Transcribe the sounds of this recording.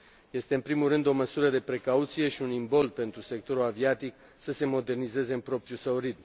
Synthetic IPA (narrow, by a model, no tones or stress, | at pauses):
je̞st̪e̞ɨnpɾimulrːɨnd̪o̞məsuɾəd̪e̞pɾe̞kaut̪sije̞ʃiunimbo̞l̚pe̞nt̪ɾuse̞k̚t̪o̞ɾulaviat̪ik | səse̞mo̞d̪e̞rnize̞ze̞ɨmpɾo̞pɾjusəɾid̪̚m